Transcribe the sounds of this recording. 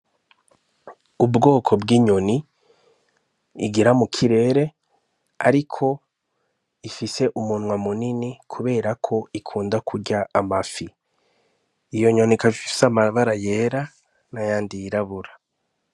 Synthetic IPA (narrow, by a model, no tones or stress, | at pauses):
ubɡo̞ːkʰo̞bɡiːɲo̞ni | ɡiɾamukʰiɾe̞ːɾe̞ | a̰ɾikʰo̞ | ifise̞ʔumunŋwamuninikʰuβe̞ːɾakʰo̞ikʰuːndakʰuɾɟaʔːmafi | jo̞ɲo̞nikafiii̥samaβaɾajeːɾa | najaːndijiɾaβuɾa